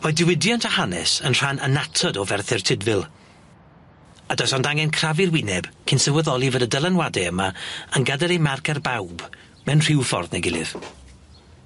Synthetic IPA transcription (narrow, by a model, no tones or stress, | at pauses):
madɪwɪdjɔntʰahanɛ̰sənr̥anənatʰɔdɔvɛrθɪrtʰɪdvɪlˠ | adɔsɔndaŋɛnkʰravɪrwɪnɛb̥kʰɪnsəvəðɔlˠivədədəlˠanwadɛəmaənɡadɛlejmarkʰarbawb | mɛnr̥ɪwfɔ̰rðna̰ɡɪlˠɪ̰v̥